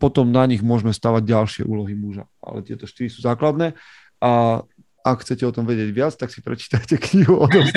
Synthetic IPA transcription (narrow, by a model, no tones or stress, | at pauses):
pɔt̪ɔmnaɲiɣmʊɔʒmɛst̪aːʋaɟɟalʃɪɛ̰ʔuːlɔɦimuʒa̰a̰lɛt̪ɪɛ̰t̪ɔʃt̪iɾisuːzaːklad̪nɛː | ʔa | ʔakxt͡sɛcɛɔt̪ɔmʋɛɟɪɛɟʋɪat͡st̪aksi̥pɾɛt͡ʃi̥ːt̪acɛkɲiɦuɔd̪ɔ